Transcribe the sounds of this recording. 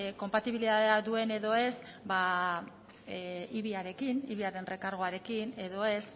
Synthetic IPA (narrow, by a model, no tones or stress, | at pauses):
ko̞mpat̪iβiliðaðead̪ue̞ne̞ðo̞e̞s | ba | iβiaɾe̞kinḭβiaɾe̞nre̞kaɾɣ̞oaɾe̞kine̞ðo̞e̞s